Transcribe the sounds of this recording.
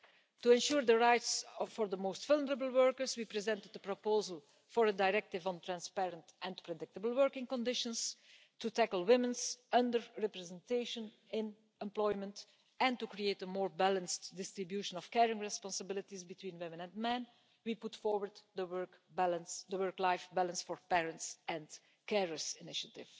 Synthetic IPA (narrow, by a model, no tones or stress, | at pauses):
tuɛ̃nʃuːɹðəɹaɪtsfɔɹðəmoʊstv̥ʌlˠnəɹəbəl̩ˠwɜɹkəɹswipɹizɛ̃ntəd̚əpɹɔpoʊzəlˠ | fɔɹədaɪɹɛk̚tɪvɔ̃ntʰɹæ̃nspɛɹə̃ntʔɛ̃npɹɛdɪk̚təbəl̩ˠwɜɹkɪ̃ŋkɔ̃ndɪʃə̃ns | tutækl̩ˠwɪmə̃nzʌ̃ndəɹɹɛpɹɛzɛ̃nteɪʃə̃n | ɪ̃n | ɛ̃mplɔɪmə̃nt | ɛ̃ntukɹieɪtəmɔːɹbælə̃nstdɪstɹɪbjuʃə̃nɔfkɛɹɪ̃ŋɹɛspɑ̃nsəbɪlɪtizbɪtʰwĩːnwɪ̃mə̃nɛ̃nmɛ̃n | wipʊtfɔɹwəɹddəwɜɹkbælə̃nsdəwɜɹklaɪfbælˠə̃nsfɔɹpɛɹə̃ntsɛ̃n | kɛɹəɹzɪnɪʃətɪ̰v̥